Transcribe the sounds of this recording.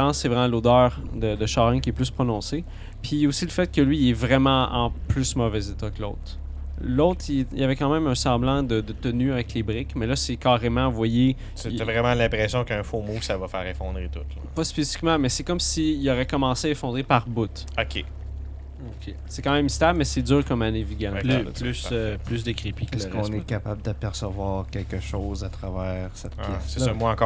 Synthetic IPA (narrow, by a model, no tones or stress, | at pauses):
ɑ̃sɛvʁɛmãlod̪œːʁd̪əd̪əʃɑʁɛ̃kʲiɛplyspχɔnɔ̃se | pʰijosiləfɛt̪̚kʲəlɥiɛvʁɛmãɑ̰̃plysmɔvɛzet̪ɔkəlo̰ʊt̪χ | lɔʊt̪χiɛilavɛkɑ̃mɛ̃mɛ̃sɑ̃blɑ̃d̪əd̪ət̪ənyavɛklebʁɪkmɛlʌsɛkɑːʁemãvwaje | sevʁɛmãlɛ̃pʁɛsjɔ̃kəɛ̃fomoksavʌfɛːʁɛfɔ̰̃d̪ʁet̪ʊt̪lpʌspesi̥fi̥kmãmɛsɛkɔmsiilɔʁɛkɔmɑ̃seaefɔ̃d̪ʁepaʁbʊt̪ | ɔkʲʰe | okʲʰe | sɛkɑ̃mɛ̃mst̪abmɛsɛdd͡zyːʁkɔmaneviɡãl̰plsplys̬d̪əkʁipiklsɛɔ̃nɛkapabld̪apɛʁsəvwɑːʁkʲɛlkəʃɔʊzat̪ʁavɛːʁsɛt̪̚jɛssesɔmwaɑ̃kɔː